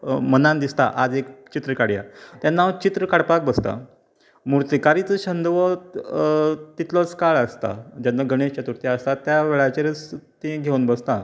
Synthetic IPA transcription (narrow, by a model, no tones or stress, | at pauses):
mənãnd̪ist̪a̰ʔad͡zekt͡ɕit̪ɾəkaɽja̰t̪janːat͡ɕit̪ɾəkaɽpak̚bəst̪a̰ | muɾt̪ikaɾit͡səɕənd̪ʋɔ | t̪it̪lɔt͡skaɭəst̪a̰d͡ʑanːaɡʱəɽ̃eɕt͡ɕət̪uɾt̪iəst̪at̪jaʋeɭat͡ɕeɾət͡st̪ĩɡʱewnbəst̪ã